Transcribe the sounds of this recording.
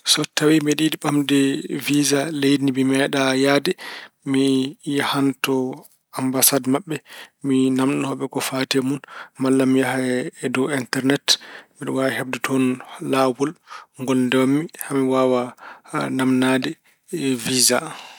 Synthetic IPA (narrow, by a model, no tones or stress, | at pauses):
sɔtawimiɗidiɓamdɛvizalejnimimɛɗajadɛmihantɔ | ambasadmaɓːɛminamɗɔhɔɓɛkɔfatɛmunmalːamijaɦaɛdɔwintɛɾnɛtmiɗɔwawhɛb̚dɛtʰɔnːawɔlŋɡɔlndɛwmːihamiwawa | namnadɛ | viza